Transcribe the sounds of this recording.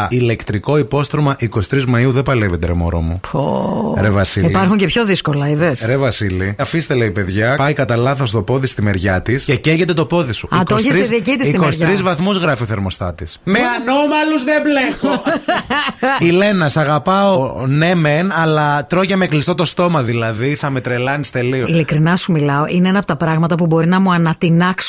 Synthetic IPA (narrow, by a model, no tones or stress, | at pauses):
ile̞kt̪ɾiko̞ipo̞st̪ɾomɐʔiko̞si̥t̪ɾizmɐiuðepɐlevet̪eɾḛmo̰ɾo̰mupo̰ɾevɐsiilipɐɾxuɲcepço̞ðiskolɐiðesɾevɐsiliɐfist̪eleipe̞ðʝɐpɐikɐt̪ɐlɐθost̪opo̞ðist̪imeɾʝɐt̪isceceʝe̞t̪e̞t̪o̞po̞ðisuitkooçisɾisiðicit̪isiikosɾizvɐθmuzɣɾɐfioθeɾmo̞st̪ɐt̪ismenomɐluzðebleɣo | ile̞nɐsɐɣɐpɐone̞menɐlɐt̪ɾo̞ʝɐmeklist̪o̞t̪o̞st̪o̞mɐðilɐðiθɐme̞t̪ɾe̞lɐnist̪e̞lioilikɾinɐsumilɐoʔineenɐpot̪ɐpɾɐɣmɐt̪ɐpubo̞ɾinɐmuɐnɐt̪inɐks